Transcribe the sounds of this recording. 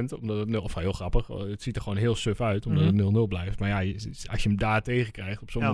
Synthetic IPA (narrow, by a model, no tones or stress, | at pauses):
əntɔmdɔtətnɔfɦɪəlˠxrɑpəxətsitərxʋoːnɦɪəlˠsøfœɥtɔmdɔtətnølˠnɵlˠblɛjftmarjaɑ̰sjəəmdaːteːɣəkrɛjχtɔpsom